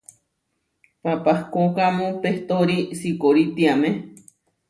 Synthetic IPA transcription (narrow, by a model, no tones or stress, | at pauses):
papahkokamõpeht̪oɾisikoɾit̪iamẽ